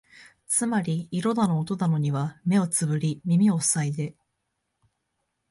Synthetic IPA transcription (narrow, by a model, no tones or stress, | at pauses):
t͡sɨmaɾʲiiɾo̞d̪ano̞ːt̪o̞nano̞ɲ̟iβ̞ame̞o̞t͡sɨbɯ̟ɾʲimʲimʲio̞ssaid̪e̞